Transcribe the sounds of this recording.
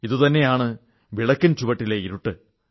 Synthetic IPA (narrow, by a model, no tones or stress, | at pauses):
iðɨt̪ɐnːe̞jaːɳɨ | ʋiɭɐkːɐnt͡ɕuʋɐʈːileiɾuʈːɨ